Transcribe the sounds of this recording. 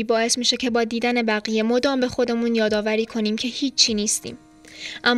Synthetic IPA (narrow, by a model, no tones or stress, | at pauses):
iːbɒːe̞smiːʃe̞cʰe̞bɒːd̪iːd̪æne̞bæɣije̞mo̞d̪ɒːmbe̞xo̞d̪e̞muːnjɒːd̪ɒːvæɾiːkʰo̞niːmcʰe̞hiːt͡ʃʰːiːniːst̪ḭːm | ʔæmː